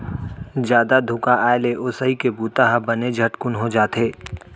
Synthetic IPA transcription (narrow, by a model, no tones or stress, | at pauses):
d͡ʒjaːd̪ad̪ʱʊkaʔaːeleʔʊsəikebuːt̪aɦabɐned͡ʒʱɐʈkʊnɦod͡ʒaːt̪eː